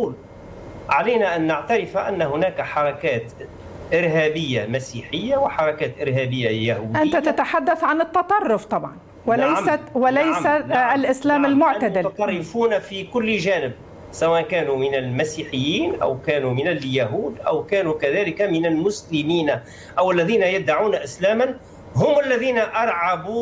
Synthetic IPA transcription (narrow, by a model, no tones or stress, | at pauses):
uːl | ʕalajnaʔanːaʕt̪aɾɪfaʔanːaɦʊnæːkħɑɾˤɑkæːt̪ | ʔɪɾɦæːbɪjːamasiːħɪjːawɪħɑɾˤɑkaːt̪ʔɪɾɦæːbɪjːajahuːd̪ʔant̪at̪at̪aħad̪ːaθʕanɨt̪ːɑt̪ˤɑrˤːʊft̪ˤɑbʕɑn | wɪlajsawɪlajsalʔɪslaːmalmʊʕad̪ɪlt̪ˤɑrˤːɪfuːnafikʊlːʒæːnɪb̚ | sawæːʔnkæːnumɪnɪlmasiːħɪjːiːnʔa̰wkæːnumɪnɪljaɦuːd̪ʔawkæːnukaðæːlɪkamɪnɪlmʊslɪmiːn | ʔawɪlːæðiːnajɪd̪ːaʕuːnaʔɪslæːman | ɦʊmalːæðiːnaʔɑɾˤʕɑbu